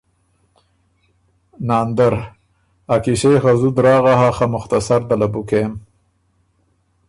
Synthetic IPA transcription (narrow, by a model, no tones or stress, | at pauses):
nɑːnd̪aɾ | akiʃejxazud̪ɾɑːɣaɦaxamʊxt̪asaɾd̪alabukem